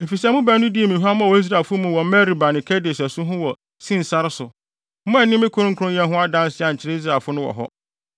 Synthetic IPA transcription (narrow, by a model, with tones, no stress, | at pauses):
e˨fi˨sɛ˦mʊ̃˦bæ˦nː˦ʊ̃˦di˦e˨mĩ˨ɦu˦a˦mã˦˨wɔ˦i˦s̬ɾa˨fʊ˦mũ˦wɔ˨m˦mɛ˦ɾi˨ba˨nɪ̃˨kʰɛ˦de˨sɛ˨sʊ˦ɦʊ̃˦wɔ˨ | sĩ˦n̩˨sa˦ɾɪ˦sʊ˨ | m̩˦mʊ̃˦ɛ˨nɪ̃˦mɪ̃˦kʰʊ˦ɾʊ̃˦ŋ̩˦kʰɾʊ̃˦jɛ̃˦nɦʊ̃˦a˦dã˦n˦sɪ˦a˨ɲ̩˨t͡ɕʰɪ˦ɾe˦i˦s̬ɾa˨fʊ˦nʊ̃˦wɔ̰˨ɦɔ̰˦